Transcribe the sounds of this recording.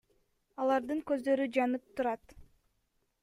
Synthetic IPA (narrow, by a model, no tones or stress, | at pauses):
ɑlˠɑɾd̪ɯŋkø̞zd̪ø̞ɾyd͡ʒɑnɯp̚t̪uɾɑt̪